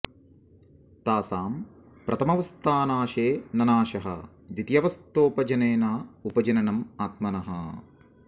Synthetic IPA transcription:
t̪aːsaːm | pɾʔɐt̪ʰɐmɐʋɐst̪ʰaːnaːʃeːnɐnaːʃɐɦɐ̰̆ | d̪it̪jɐʋɐst̪oːpɐd͡ʒɐneːnaːupɐd͡ʒɐnɐnɐmaːt̪̚mɐnɐɦɐ̰

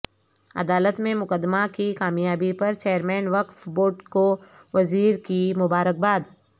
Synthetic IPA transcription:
ɐ̰d̪aːlət̪mẽmʊkəd̪ːmakikaːmjaːbipɐɾt͡ʃeːəɾmɛːnʋɐkfboːʈko | ʋɐziːɾkimʊbaːɾək̚baːd̪

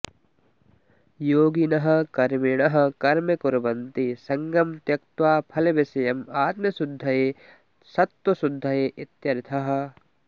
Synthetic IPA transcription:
joːɡinɐɦɐ̆kɐɾmiɽ̃ɐɦɐ̆kɐɾmɐkʊɾɐbɐ̃nt̪isɐŋɡɐmt̪jɐk̚t̪waːpʰɐlebɪsɐjɐmaːt̪mjɐsʊd̪ʱːɐe | sɐt̪wɐsʊd̪ʱːɐeʔɪt̪jɐɾɪt̪ʰɐɦɐ̆

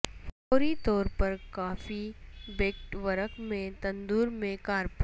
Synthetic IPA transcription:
fɔːɾit̪ɔːɾpɐɾkaːfibeːkʈʋɐɾəkmẽt̪ɐ̃nd̪uːɾmẽkaːɾp

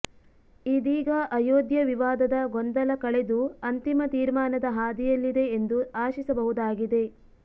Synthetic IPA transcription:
id̪iːɡɐʔɐjoːd̪jɐʋiʋaːd̪ɐd̪ɐɡond̪ɐlɐkɐɭed̪uɐnt̪imɐt̪iːɾmaːnɐd̪ɐɦaːd̪ijɐlːid̪e̞ːnd̪uaːʃisɐbɐɦud̪aːɡid̪e̞

